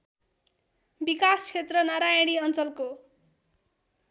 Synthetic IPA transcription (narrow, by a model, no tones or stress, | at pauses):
bikast͡sʰet̪rʌnaɾajɽiʌnt͡sʌlko